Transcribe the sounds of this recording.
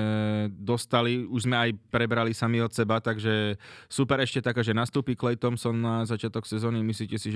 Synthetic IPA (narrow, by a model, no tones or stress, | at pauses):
d̪ɔst̪aliuʒzmɛajpɾɛbɾalisamiɔt̪sɛbat̪aɡʒɛsupɛɾɛʃcɛt̪akaːʒɛnast̪uːpiklɛjt̪ɔmsɔnnazat͡ʃɪat̪ɔksɛzɔːnimisliːcɛsiʒ